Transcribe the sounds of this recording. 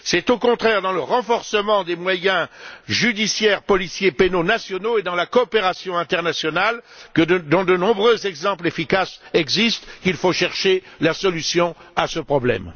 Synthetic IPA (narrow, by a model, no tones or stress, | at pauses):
sɛt̪okɔ̃t̪χɛʁd̪ɑ̃ləʁɑ̃fɔʁsəmɑ̃d̪emwajɛ̃ʒyd̪isjɛʁpɔlisjepenonasjɔnoed̪ɑ̃lakɔːpeʁasjɔ̃ɛ̃t̪ɛʁnasjɔnalkəd̪ɔ̃d̪ənɔ̃bʁøzɛɡzɑ̃plefikasɛɡzist̪kʲilfoʃɛʁʃe | lasɔlysjɔ̃asəpχɔblɛ̰m